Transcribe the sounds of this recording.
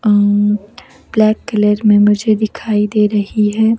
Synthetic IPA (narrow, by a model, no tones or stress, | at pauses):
b̥lɛːkːɐləɾmẽmʊd͡ʒʱed̪ɪkʰaːid̪eːɾɐɦiɦɛː